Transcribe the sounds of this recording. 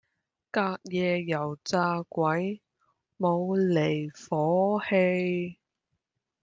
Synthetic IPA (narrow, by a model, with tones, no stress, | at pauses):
kaː˧k̚jɛː˨˧jɐ˨˩wt͡saː˧kʷɐ˨˥j | mo˨˧wle˨˩jfɔː˨˥he˧j